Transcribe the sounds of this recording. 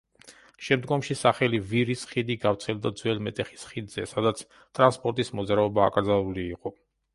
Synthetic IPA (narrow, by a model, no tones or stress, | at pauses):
ʃɛmd̪ɡɔmʃisaχɛliviɾisχid̪iɡaft̪sʰɛlˠd̪ad̪zwɛlmɛt̪ʼɛχi̥sχid̪zɛsad̪at̪sʰ | t̪ʼɾanspʼɔɾt̪ʼismɔd̪zɾaɔba̰ːkʼɾd̪zalˠuliːqʼɔ